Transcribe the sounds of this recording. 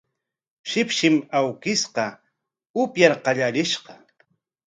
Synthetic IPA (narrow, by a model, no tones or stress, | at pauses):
ʃɪpʃɪmawkɪsqɑ | ʊpjaɾqɑʎaɾɪʃqɑ